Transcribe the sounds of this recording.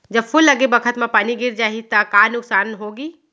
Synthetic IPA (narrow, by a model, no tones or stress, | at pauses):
d͡ʒɐbfʰʊlːɐɡebɐkʰət̪mẽpaːniɡɪɾd͡ʒaːɦit̪ɐkaːnʊksaːnɦoːɡiː